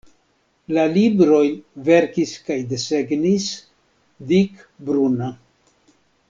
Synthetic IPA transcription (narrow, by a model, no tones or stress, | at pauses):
lalibɾo̞jve̞ɾkiskajd̪e̞se̞ɡnis | dik | bɾuna